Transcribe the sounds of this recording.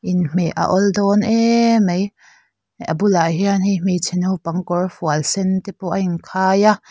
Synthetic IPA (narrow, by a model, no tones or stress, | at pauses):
ʔinm̥ɛʔa̰ʔɔldɔnʔɛmej | ʔɐbulaʔɦianhim̥it͡sʰɛnowpɐŋkɔrfualsɛnt̪ɛpɔʔainkʰaːja